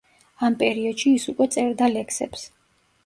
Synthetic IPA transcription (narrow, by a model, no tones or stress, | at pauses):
ampʼɛɾiɔd̪̥ʃiːsukʼwɛt̪sʼɛɾd̪alɛksɛ̰ps